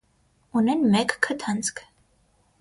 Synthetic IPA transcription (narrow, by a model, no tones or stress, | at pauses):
unɛnmɛkːʰət̪ʰɑnt͡skʰ